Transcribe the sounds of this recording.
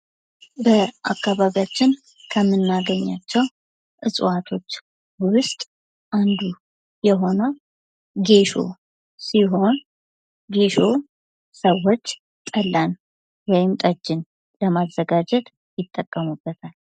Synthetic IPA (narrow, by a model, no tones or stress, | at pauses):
bəʔa̰kːaβaβijat͡ʃːɪn | kʰəmːɨnːaɡəɲːat͡ʃːɛw | ʔɨsʼɨ̰wat̪ʰo̞t͡ʃː | wʊst̪ʼ | ʔand̪u | jɛɦo̞nə | ɡe̞ʃo̞̰ | siɦo̞n | ɡe̞ʃo̞ | səwːo̞t͡ʃː | t̪ʼəlːan | wɔjɪmt̪ʼəd͡ʒːɪn | ləmazːəɡad͡ʒɛt̪ | jɪt̪ʼːəkʼːəmubːət̪ʰal